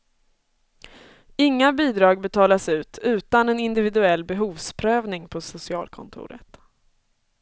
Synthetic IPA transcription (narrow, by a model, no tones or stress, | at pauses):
ɪŋːabiːd̪ɾɑːɡ̚bɛt̪ʰɑːlasʉ̟ːt̪ʰʉ̟ːt̪anɛnɪnd̪ɪvɪd̪ɵɛlːbɛɦuːvspʰɾøːvnɪŋpʰɔsʊsɪɑ̰ːlkʰɔ̰nt̪ʰʊ̰ːɾə̰t̪